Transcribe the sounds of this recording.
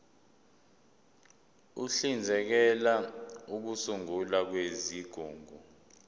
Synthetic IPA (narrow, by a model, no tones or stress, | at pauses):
uɬind͡zʱɛk̬ɛlauk̬usuŋulak̬weziɡ̥ʱuːŋʱu